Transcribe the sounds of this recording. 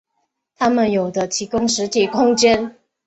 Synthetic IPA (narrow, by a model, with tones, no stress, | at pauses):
t̪ʰa˥mə˨njo˨˩ʊd̪ə˦t̪ʰi˧˥kʊ˥ŋʂɻ̩˧˥t̪ʰi˨˩kʰʊ˥ŋt͡ɕjɛ˥n